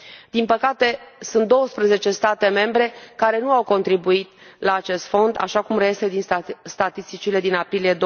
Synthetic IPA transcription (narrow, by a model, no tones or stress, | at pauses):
d̪̥inpəkat̪e̞sunt̪̚d̪o̞wəspɾəze̞t͡ʃe̞st̪at̪e̞me̞mbɾe̞kaɾe̞nuawko̞nt̪ɾibuit̪laːt͡ʃe̞st̪fo̞nd̪a̰ʃakumreesed̪inst̪at̪ist̪it͡ʃile̞d̪inapɾilije̞d̪